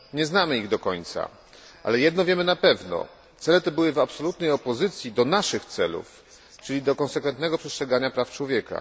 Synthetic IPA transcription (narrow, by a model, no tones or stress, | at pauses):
ɲɛznamɘiɣd̪ɔkɔɲt̪sa̰ | ʔa̰lɛjɛd̪nɔvʲjɛmɘnapɛvnɔ̰ | t̪sɛlɛt̪ɛbɘwɘvapsɔlut̪nɛjɔpɔzɘt̪sʲjid̪ɔnaʂɘxt̪sɛlṵf | t͡ʂɘlʲid̪ɔkɔnsɛkfɛnt̪nɛɡɔpʂɛstʂɛɡaɲapɾaft͡ʂwɔvʲjɛka̰